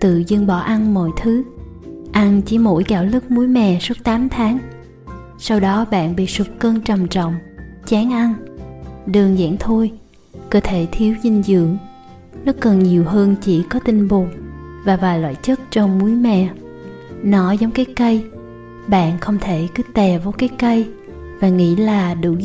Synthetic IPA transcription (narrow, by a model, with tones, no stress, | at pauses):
t̪ɨ̰˧˨zɨ˧ŋɓɔ̰˧˩ʔa˧nmɔ̰˧˨jt̪ʰɨ˨˦ | ʔa˧nt͡ɕi˧˩mo̰˧˥jkaː˧˩wlɨ˦˥k̚mu˨˦jmɛ̰˨˩su˦˥t̚t̪aː˨˦mt̪ʰaː˨˦ŋ | sa˧wɗɔ˨˦ɓa̰ː˧˨nɓḭ˧˨swu˨˩k̚kəː˧nt͡ɕə˨˩mt͡ɕɔ̰˧˨wŋ͡mt͡ɕaː˨˦ŋʔa˧n | ɗɨ˨˩əŋza̰ː˧˥ŋt̪ʰu˧j | kəː˧t̪ʰe˧˩t̪ʰi˨˦əwzi˧ŋzɨ̰˧˨əŋ | nɔ˨˦kə˨˩nɲi˨˩əwɦəː˧nt͡ɕḭ˧˩kɔ˨˦t̪ï˧ŋ̟ɓo˨˩t̚vaː˨˩vaː˨˩jlwa̰ː˧˨jt͡ɕə˦˥t̚t͡ɕɔ˧wŋ͡mmu˨˦əjmɛ̰˨ | nɔ˨˦zɔ˨˦wŋ͡mkaː˨˦jkə˧j | ɓa̰ː˧˨nxə˧wŋ͡mt̪ʰe˧˩kɨ˨˦t̪ɛ˨˩va˨˦jkaː˨˦jkə˧j | vaː˨˩ŋḭ˧˥laː˨˩ɗɨ̰˧˥